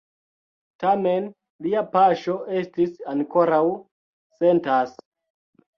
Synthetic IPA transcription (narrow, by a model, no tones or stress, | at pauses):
tamen | liapaʃo̞ʔe̞stisaŋko̞ɾaw | se̞ntas